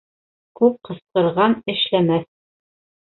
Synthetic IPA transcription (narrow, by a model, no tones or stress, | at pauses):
kʉp̚qɤ̆sqɤ̆ɾʁɑnɘ̆ʃlæmæθ